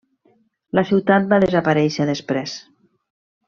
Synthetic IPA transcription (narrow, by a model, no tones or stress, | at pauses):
lasiwt̪at̪̚baðezapaɾɛjʃəðespɾes